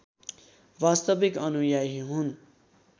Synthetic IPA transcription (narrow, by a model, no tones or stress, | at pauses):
ʋast̪ʌbikʌnujajɦiɦun